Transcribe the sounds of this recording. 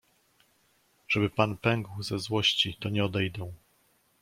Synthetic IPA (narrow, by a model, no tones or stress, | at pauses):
ʐ̥ɛbɘpanpɛŋɡwzɛzwɔɕt͡ɕit̪ɔɲɛɔd̪ɛjd̪ɛw̃